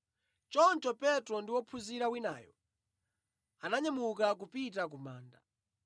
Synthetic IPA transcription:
t͡ʃɔnt͡ʃɔpɛtɾɔndiwɔpʰuziɾawina̰ːjɔ̰ | anaɲɛmukak̬upitak̬umaːnda

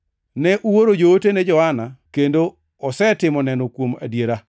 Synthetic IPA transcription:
nɛʔuwoɾod͡ʒootenɛd͡ʒɔanakendo | ɔsɛtɪmɔnɛnɔkwoma̰djeɾa

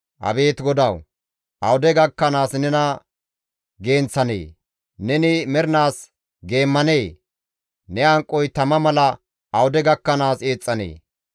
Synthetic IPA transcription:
ʔɐ̰be̞ːt̪ɡɔd̪ɐw | ʔɐwʊd̪ɛɡɐkːɐnaːsnɛnɐ | ɡe̞ːnt͡sːɐnḛː | nɛnɪmɛɾɪnaːs | ɡe̞ːmːɐneː | nɛɐŋkʼːɔjt̪ɐmɐmɐlɐ | ʔɐwʊd̪ɛɡɐkːɐnaːse̞ːt͡sʼːɐnḛː

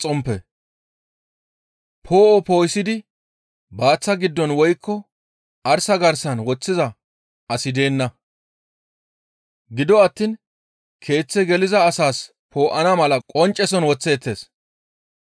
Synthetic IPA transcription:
t͡sʼɔmpɛ | pʰo̞ːʔɔpo̞ːjsɪd̪ɪ | baːt͡sːɐɡɪd̪ːɔnwɔjkːɔ | ɐɾsɐɡɐɾsɐnwɔt͡sːɪzɐ | ɐsɪd̪e̞ːnːɐ | ɡɪd̪ɔɐt̪ːiːn | kʰe̞ːt͡sːɛɡɛlɪzɐːsaːs | pʰo̞ːʔɐnɐmɐlɐkʼɔnt͡ʃʼːɛsɔnwɔt͡sːe̞ːt̪ːe̞ːs

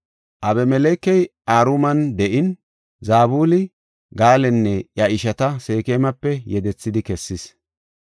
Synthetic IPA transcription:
ʔɐbɛmɛlɛːkːɛjʔaːɾumɐnd̪ɛʔɪn | zaːbuːlɪ | ɡaːlɛnːɛʔjɐɪʃɐt̪ɐse̞ːkeːmɐpːɛjɛd̪ɛt͡sːɪd̪ɪkɛsːɪs

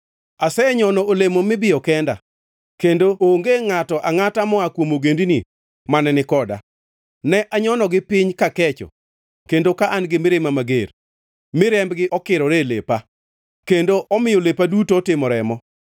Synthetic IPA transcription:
asɛɲɔnɔolemomɪbɪɔkɛnda̰ | kendooŋɡeŋatɔʔaŋatamɔakwomoɡendini | manɛnɪkɔda̰ | nɛʔaɲɔnɔɡɪpɪɲkakɛt͡ʃɔ̰ | kendokaʔanɡɪmɪɾemamaɡer | mɪɾɛmbɡɪʔɔkɪɾɔɾelḛpa | kendoʔɔmɪjɔlepadutoːtɪmɔɾɛmɔ

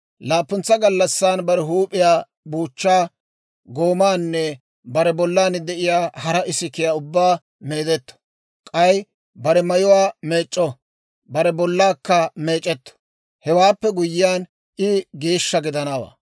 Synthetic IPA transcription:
laːpːʊnt͡sːɐɡɐlːɐsːaːnbɐɾɛɦuːpʼːɪjaː | buːt͡ʃːaː | ɡo̞ːmaːnːɛ | bɐɾɛbɔlːaːnd̪ɛʔɪjaːhɐɾɐʔɪsɪkɪjaːʊbːaː | me̞ːd̪ɛt̪ːɔ̥ | kʼɐj | bɐɾɛmɐjʊwaːme̞ːt͡ʃʼːɔ | bɐɾɛbɔlːaːkːɐme̞ːt͡ʃʼːɛt̪ːɔ̥ | hɛwaːpːɛɡʊjːɪjaːn | ʔɪɡe̞ːʃːɐɡɪd̪ɐnawa̰ː

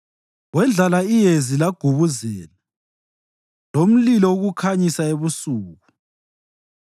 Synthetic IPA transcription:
wɛnd͡ɮʱalaijezilaɡ̥ʱuβuzɛːla | lom̩lilɔuɣukʰaɲisaeβusuːɣu

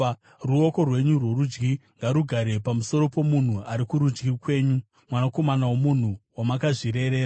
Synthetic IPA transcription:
ruo̞ko̞rwe̞ɲurwo̞ɾud͡ʒɡiŋɡaɾuɡʱaɾe̞pamuso̞ɾo̞po̞mun̤uaɾikuɾud͡ʒɡikwe̞ːɲu | mwanako̞manawo̞mun̤uwamakaʐiɾe̞ɾe̞ːɾa

